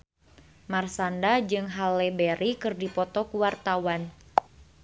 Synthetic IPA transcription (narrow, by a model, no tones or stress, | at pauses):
marsandad͡ʒɨŋɦalːɛbɛɾʔikɨrdipɔt̪ɔkuwart̪awan